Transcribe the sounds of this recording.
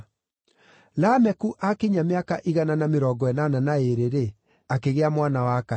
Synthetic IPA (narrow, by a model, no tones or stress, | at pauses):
lamɛkuʔakiɲameakaʔiɣananameɾɔɡɔɛnananaeɾeɾe | akeɣeamwanawaka